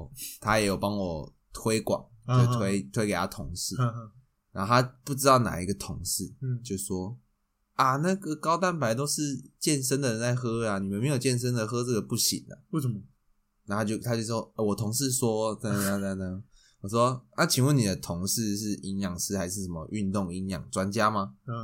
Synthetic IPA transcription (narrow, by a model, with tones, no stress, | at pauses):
t̪ʰa˦jɛ˨˥jo˨˩ʊpɑ˦˥ŋwɔ˨˩ | t̪ʰwe˥ɪkwɑ̰˨˩˦ŋ˥˩t̪ʰwe˦˥ɪt̪ʰwe˥ke˨˩ɪa˦˥t̪ʰʊ˧˥ŋʂɻ̩˥˩˧ | na˧˥t̪ʰa˦pu˥˩ʈ͡ʂɻ̩˥t̪ɑ˥˩ʊna̰˨˩i˧˥ɡə˨t̪ʰʊ˧˦ŋʂɻ̩˥˩t͡ɕjo˥˧˩swɔ˦ | a˩na˥˩ɡə˨˩kɑ˥ʊt̪a˥˩npa˧˦ɪt̪o˥ʊʂɻ̩˥˧t͡ɕjɛ˥˩nʂ̬ə˥nd̪ə˨ɻə˧˦nt͡sa˥˩ɪxɤ˥a˨ni˨˩mə˨˦nme˧˥ɪjo˨˩ʊt͡ɕjɛ˥˨nʂ̬ə˥nd̪ə˨xɤ˥ʈ͡ʂə˥˩ɡə˨pu˥˩ɕḭ˨˩˦na̰˨˩w | na˥˩t̪a˥t͡ɕjo˥˧ʊt̪ʰa˥t͡ɕjo˥˩ʂɔ˥ɛ˨˩wɔ˨˩t̪ʰʊ˧˥ŋʂɻ̩˥˨swɔ˥tə˥a˥˧a˧ə˧˩ | wɔ˨˩ʂ̬wɔ˦na˥˩t͡ɕʰi˨˩nwə˥˨ni˨˩d̪ə˦t̪ʰʊ˧˥ŋʂɻ̩˥˧ʂɻ̩˥˩i˧˥njɑ˨˩ŋʂɻ̩˥˩xa˧˥ɪʂɻ̩˥˩ʂə˨˩mə̰˨˦ʔy˥˧nt̪ʊ˥˧ŋi˧˥njɑ̰˨˩˦ŋt͡swa˦nt͡ɕja˦ma˧